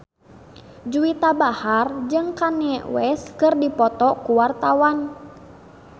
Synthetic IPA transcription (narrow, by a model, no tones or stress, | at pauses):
d͡ʒuit̪abahard͡ʒɨŋkaniɛwɛskɨrdipɔt̪ɔkuwart̪awan